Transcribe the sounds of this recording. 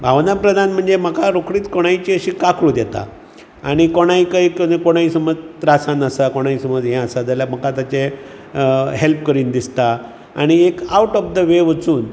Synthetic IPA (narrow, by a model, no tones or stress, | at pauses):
bʱaʋnapɾəd̪ʱanm̤əɳd͡zem̤əkaɾokɽiːt̪koɽ̃ajt͡ɕiːəɕiːkakɽũd̪jɛt̪a̰ | a̰ɽ̃ikoɽ̃ajkəikokoɽ̃aisəməd͡zt̪ɾasãnəsakoɽ̃aisəməd͡zɦɛ̃əsad͡z̪aljam̤əkat̪at͡ɕe | ɦelp̚kəɾiːnd̪ist̪a | a̰ɽ̃iekawʈɔfd̪əʋeʋət͡suːn